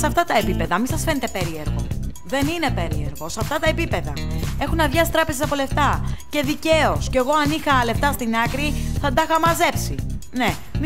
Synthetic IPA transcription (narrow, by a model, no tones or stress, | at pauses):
sɐft̪ɐt̪ɐepipe̞ðɐmisɐsfe̞net̪e̞pe̞ɾie̞ɾɣo̞̰ | ðe̞nine̞pe̞ɾie̞ɾɣo̞sɐft̪ɐt̪ɐepipe̞ðɐe̞xunɐvʝɐsit̪ɾɐpezeɐpo̞le̞ft̪ɐce̞ðice̞o̞sceɣo̞ɐnixɐle̞ft̪ɐst̪inɐkɾiθɐd̪ɐxɐmɐze̞psi | ne̞ | m